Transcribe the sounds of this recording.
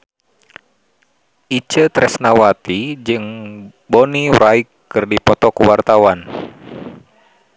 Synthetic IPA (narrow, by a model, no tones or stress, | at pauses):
ʔit͡ʃət̪ɾɛsnawat̪id͡ʒɨŋ | bɔniɾaikːɨrdipɔt̪ɔkuwart̪awan